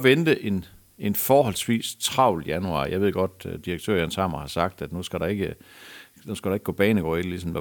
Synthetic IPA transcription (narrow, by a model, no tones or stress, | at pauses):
ʋend̥əʔe̝n | e̝nfɒːɦɒ̽lsʋḭːst͡sʰʁɑ̈ʊ̰lijænuɑ̰̈ːjɑ̈ɪe̝ð̞̰ˠɡ̥ɒ̽d̥d̥iʁɐɡ̥̚t͡sʰø̰ɐ̰jænsʰɑ̈mɐhɑ̈sɑ̈ɡ̥̚d̥æd̥nusɡ̥æɾɑ̈e̝ɡ̥ə | nusɡ̥æɾɑe̝ɡ̥ob̥ɛːnəɡ̥ɒ̰ːidəlisɒ̽mæ